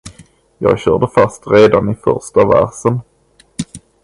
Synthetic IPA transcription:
jɑ̰ːɡɕœːɖəfast̪ɾeːd̪anɪfœ̰ɾʂʈavæ̰ɾʂən

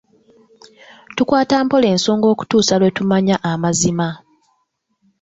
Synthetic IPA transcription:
tukwaːtaːmpo̞le̞ːnso̞ːŋɡo̞ːku̥tuːsalwe̞tumaɲaʔamazima

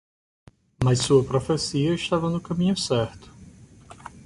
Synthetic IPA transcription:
mɐssuɐpɾofesiɐɪʃt̪avɐnʊkɐmĩɲʊsɛɾt̪ʊ̥

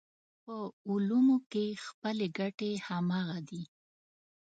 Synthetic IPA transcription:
pəulumokexpəleɡaʈehamaɣad̪i

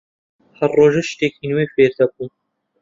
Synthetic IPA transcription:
hɐɾroːʒɐʃt̪eːkinwefeːɾd̪ɐb̚un

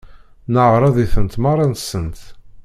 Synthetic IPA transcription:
nəʕɾˤɑðiθənt̪mɑɾˤɑnt̪sːənt̪

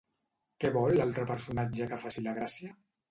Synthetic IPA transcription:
kɛβɔlːalˠt̪ɾəpəɾsunad͡ʒəkəfasiləɣ̞ɾasjiə

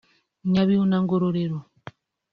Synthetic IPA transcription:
ɲaβiunaŋɡoɾoɾeɾo

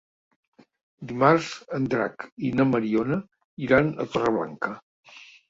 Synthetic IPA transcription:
d̪imaɾz̥ənd̪ɾa̰kinəməɾionə | iɾanə̰t̪ɔrəβla̰ŋkə

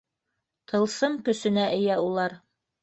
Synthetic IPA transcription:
t̪ʰɤ̆lˠsɤmkɵ̆sɘ̆næʔɘ̆jæulˠɑɾ

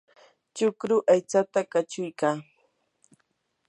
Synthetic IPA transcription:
t͡ʃʊkɾʊʔajt͡sat̪akat͡ʃʊjkaː

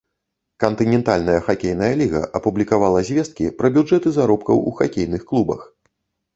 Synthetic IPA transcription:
kɐnt̪ɨnʲɛnt̪alʲnɐjɐxakʲejnɐjɐlʲiɣɐ̰ʔɐpublʲikavalˠɐzʲvʲɛst̪̚kʲipɾɐbʲud͡ʐɛt̪ɨzaɾɔpkɐwuxakʲejnɨxklˠubɐ̰x

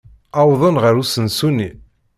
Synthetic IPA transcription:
ɑwðˤənʁəɾusənsunːi

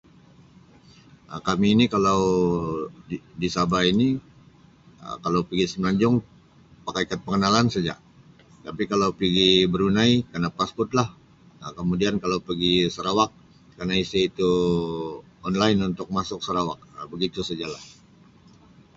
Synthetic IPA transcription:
əkamiːnikalaw | disabaini | ə̰kalawpiɡisəmaɲd͡ʒʊŋ | pakajkat̪̚pəŋənalansad͡ʒa̰ʔ | t̪apikalawpiɡibəɾunajkanapaspɔrt̪̚lah | əkəmudiankalawpəɡisəɾawak̚ | karnaisiit̪u | ɔnlaɪnunt̪ʊk̚masʊk̚səɾawak̚bəɡit̪usəd͡ʒalah

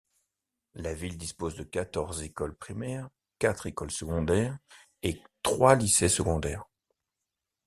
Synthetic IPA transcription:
lavild̪ispozd̪əkat̪ɔʁzekɔlpχimɛːʁ | kʲat̪χekɔlsəɡɔ̃d̪ɛːʁ | et̪χwalisesəɡɔ̃d̪ɛːʁ

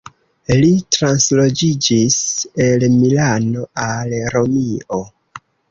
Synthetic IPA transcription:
litɾanslo̞d͡ʒid͡ʒise̞lmilano̞alɾo̞mio

